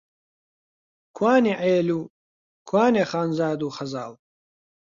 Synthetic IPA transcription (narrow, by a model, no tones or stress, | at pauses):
kʰwaːneʕeːluː | kʰwaːneχaːnzaːd̪uːχɐzaːl